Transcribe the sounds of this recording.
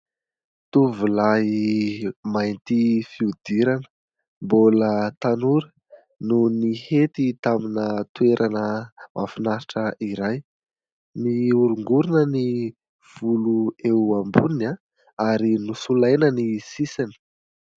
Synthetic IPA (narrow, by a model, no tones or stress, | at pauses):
t̪uvulaɦi | majnt̪ifiud̪̥iɾanə | mbolət̪anuɾə | nunihet̪it̪aminət̪weɾʔanəmʔa̰finaɾiʈ͡ʂəʔiɾaj | niuɾuŋɡuɾinəni | v̥uluewambunina | aɾinusulajnənisisani̥